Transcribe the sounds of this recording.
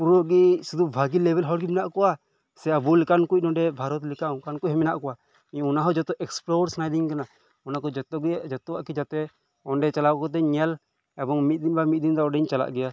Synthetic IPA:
puɾɔɡisud̪ubʱaɡilɛbɛlɦɔɾɡimɛnaʔkɔwa | sɛabulikankuc̚nɔɖɛbʱaɾɔt̪likaũkankuc̚hɔmɛna̰ʔkɔwa | iɲɔnaɦɔd͡ʒɔt̪ɔʔɛksplɔɾsnajd̪iɲkana | ɔnakɔd͡ʒt̪ɔd͡ʒɔt̪ɔwa̰ʔkid͡ʒat̪ɛ | ɔɳɖɛt͡ʃalakɔt̪̬ɛɲɛl | ɛbɔŋmit̪̚d̪inbamit̪̚ˀd̪ind̪ɔɔɖɛɲt͡ʃala̰ʔɡɛja

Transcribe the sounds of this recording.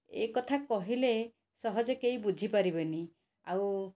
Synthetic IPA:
ḛkɔt̪ʰakɔɦile | sɔɦɔd͡ʒɔkejbud͡ʒʱipaɾibeni | aw

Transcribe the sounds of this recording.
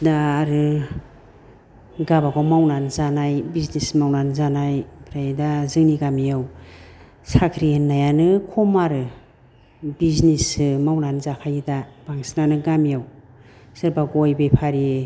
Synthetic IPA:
daːɾɯ | ɡabakʰawmawnanzanajbiznismawnanzanajbʰɾajdazɯŋniɡamijaw | sakʰɾienːajanɯkʰɔmaɾɯ | biznismawnanzakʰajdab̥aŋsnanɯɡamijaw | sɯɾbaɡojbepʰaɾi

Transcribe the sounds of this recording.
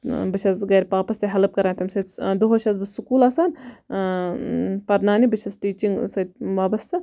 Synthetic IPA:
bɨt͡ʃʰɐzɡɐːɾʲpaːpɐst̪ɐɦɐlɐp̚kɐɾaːnt̪ʰɐmsɐt̪d̪oɦot͡ʃʰɐzbɨsukuːlaːsaːn | pɐɾnaːnibɨt͡ʃʰɐzʈiːt͡ʃiŋɡsɐt̪̚ʋaːbɐst̪ʰɐ

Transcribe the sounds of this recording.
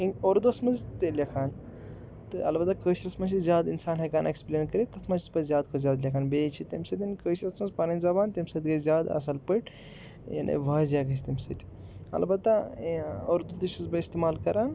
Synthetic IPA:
ioɾd̪ɐsmɐzt̪elʲjɐkʰaːn | t̪ɨɐ̰lbɐt̪akəːʃɾɐsmɐt͡ʃʰizʲjaːd̪insaːnɦɐkaːnekspleːnkɐɾit̪ɐt̪ʰmɐt͡ʃʰi̥spɐzjaːd̪kʰozʲaːd̪lʲjɐkʰaːnbeːt͡ʃʰit̪ɐmʲsɐt̪ʲinkəːʃɾɐsmɐzpanɐnʲzɐbaːnt̪ɐmʲsɐt̪ɡɐzʲjaːd̪ɐ̰s̬ɐlpəʈ | jɐ̰nʔḛʋaːzʲjaːɡɐt͡ʃʰt̪ɐmsɐ̰t̪ʲ | ɐ̰lbɐt̪ːa | oːɾd̪ud̪iʃizbɐist̪emaːlkɐɾaːn

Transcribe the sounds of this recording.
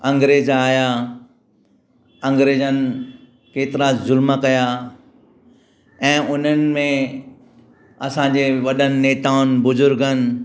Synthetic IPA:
ɐ̃ŋɡɾeːzaːja | ɐ̃ŋɡɾeːzənɪ̆ | keːt̪ɪɾazʊlməkɐja | ɛ̃ːʊn̤ənɪ̆mẽ | ɐsãːɲd͡ʑeːʋɐɗənɪ̆neːt̪aːʊnbʊzʊɾɡənɪ̆

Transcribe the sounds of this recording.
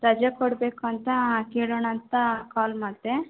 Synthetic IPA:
ɾɐd͡ʒɐkoɽbeːkuɐnt̪ɐkeːɭoːɳɐnt̪ɐkaːlmaːɽt̪e

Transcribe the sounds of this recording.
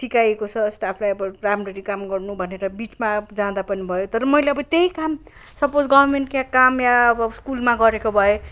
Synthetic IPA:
sikajekot͡sʰʌsʈapʰlajʌbʌramrʌɾikamɡʌrnubʱʌneɾʌbit͡smad͡zãd̪apʌnibʱʌjot̪ʌɾʌmʌijleʌbʌt̪eɦikam | sʌpod͡zɡʌbʱʌrmeɳʈkãkamjaʌbʌskulmaɡʌɾekobʱʌe

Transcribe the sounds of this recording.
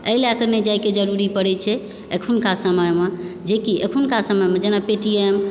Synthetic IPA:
əɦileəkəɾned͡ʒajked͡ʒəɾuɾipəɽɛt͡ʃʰɛ | ekʰunkasəməjmed͡ʒekiʔḛkʰunkasəməjmed͡ʒenapeʈiem

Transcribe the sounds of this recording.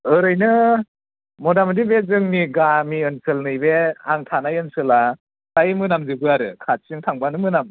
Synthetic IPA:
ɯɾɯjnɯ | mɔdamɯdibezɯŋniɡamiɯnsɯlnɯjbeaŋtʰanajɯnsɯla | tajmɯnamzɯbɯaɾɯ̰kʰat̚sɯŋtʰaŋbanɯmɯnam

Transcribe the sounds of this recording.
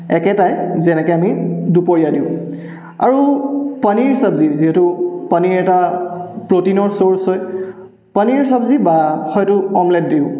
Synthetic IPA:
ɛkɛtajzɛnɛkɔamidupoɹijadiʊ̃ | a̰ɹupaniɹsabziziɦɛtupaniɹɛtapɹotinɔɹsoɹsɔj | paniɹsabzibahɔjtʊɔmlɛt̚diʊ̃

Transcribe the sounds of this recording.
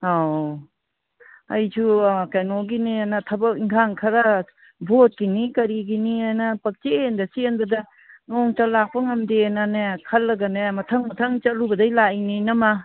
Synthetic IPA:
a | ɐjtʰukajnoɡinenɐtʰɐbɐkiŋkʰaŋkʰɐɾa | bʱot̚kinikɐɾiɡiniajnɐpɐk̚t͡ʃendɐsinbɐdɐ | nɔŋt͡ʃalak̚pɐŋɐmdenanekʰɐlːɐɡɐnemɐtʰɐŋmɐtʰɐŋt͡ʃɐlubɐdajlaininɐma

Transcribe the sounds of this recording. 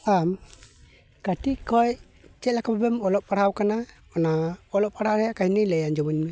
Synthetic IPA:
am | katiʔkʰɔj | t͡ʃɛlakʰabɔbɛmɔlɔʔ̚paɽ̤awkana | ɔnaɔlɔʔpaɽawɾɛjakahinijlɛjand͡ʒɔmanmɛ

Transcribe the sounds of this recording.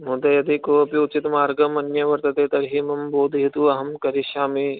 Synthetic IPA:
mõːd̪ejɐd̪ikoːɐpiʊt͡ʃit̪maːɾɡɐmɐnjɐʋɐɾt̪ɐt̪eːt̪ɐɾɦimɐmboːd̪ʱiɦit̪uɐɦɐmkɐɾiʃaːmi

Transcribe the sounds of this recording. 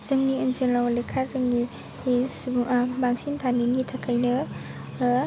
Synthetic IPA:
zɯŋniɯnsenlawalekʰaɾːɯŋːi | sbaŋsintʰaninɡitʰakʰajnɯ

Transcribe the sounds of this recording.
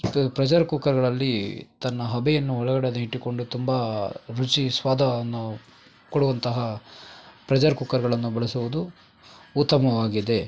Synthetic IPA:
pɾɐd͡ʒɐɾkuːkɐɾɡɐɭɐlːit̪ɐnːɐɦɐbɛjɐnːuɔɭɐɡɐɽeniʈːiko̞ɳɖut̪umbɐɾut͡ʃisʋaːd̪ʱɐnːu | koɽuʋɐnt̪ɐɦɐ | pɾɐd͡ʒɐɾkuːkːɐɾɡɐɭɐnːubɐɭɐsuʋud̪uː | t̪ːɐmɐʋaːɡid̪e̞

